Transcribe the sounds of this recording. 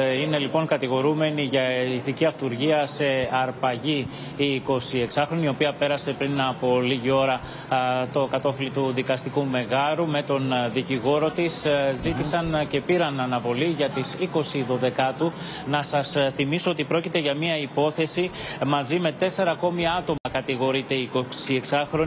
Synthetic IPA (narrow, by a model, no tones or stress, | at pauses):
ine̞lipo̞ŋkɐt̪iɣo̞ɾume̞niʝɐiθiciɐft̪uɾʝiɐse̞ɐɾpɐʝi | iko̞sie̞ksɐxɾo̞nio̞piɐpe̞ɾɐsepɾinɐpo̞liʝio̞ɾɐ | t̪o̞kɐt̪o̞filit̪uðikɐst̪ikume̞ɣɐɾume̞t̪o̞nðiciɣo̞ɾo̞t̪iszit̪isɐnce̞piɾɐnɐnɐvo̞liʝɐt̪isiko̞siðo̞ðe̞kɐt̪u | nɐsɐsθimiso̞ot̪ipɾo̞cit̪e̞ʝɐmiɐipo̞θe̞simɐzime̞t̪e̞se̞ɾɐko̞miɐt̪o̞mɐkɐt̪iɣo̞ɾit̪e̞iːkosieksɐxɾo̞